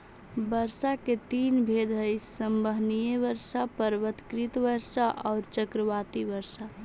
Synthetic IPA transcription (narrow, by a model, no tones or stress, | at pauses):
bəɾsaket̪inbʱed̪ʱəjsəmbəɦnijeʋəɾsapəɾʋət̪kɾit̪ʋəɾsaʔɔʊɾt͡ʃəkɾəʋat̪iʋəɾsa